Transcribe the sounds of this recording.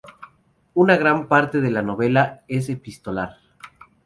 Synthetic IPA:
unaɣ̞ɾampaɾt̪e̞ðelano̞βe̞lae̞s̬epist̪o̞laɾ

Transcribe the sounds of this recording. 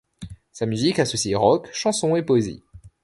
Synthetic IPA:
samyzikasɔsiʁɔkʃɑ̃sɔ̃epoezḭ

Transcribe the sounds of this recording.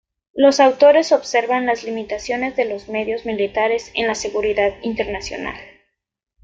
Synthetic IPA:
lo̞sawt̪o̞ɾe̞so̞βse̞ɾβanlazlimit̪asjo̞ne̞zðe̞lo̞zme̞ðjo̞zmilit̪aɾe̞sḛnlase̞ɣuɾiðaðint̪e̞ɾnasjo̞̰na̰l

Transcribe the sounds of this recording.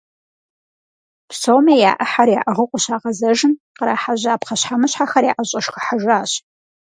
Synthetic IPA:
psoːmeːja̰ːʔɐħarjaːʔɐʁəqʷʼʊɕaːʁɐzɐʒɨn | qəɾaːħaʑaːpχɐɕħamɨɕħaxɐɾja̰ːʔɐɕʼɐʂxəħaʒaːɕ

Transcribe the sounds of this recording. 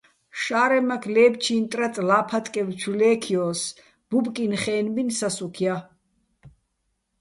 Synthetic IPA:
ʃaːɾɛmakʰlɛːbt͡ʃʰiːnt̪ʼɾat̪ʼlaːpʰat̪ʼkʼɛvt͡ʃʰulɛːkʰiɔːs | b̥ubkʼinχɛːnbinsasukʰia

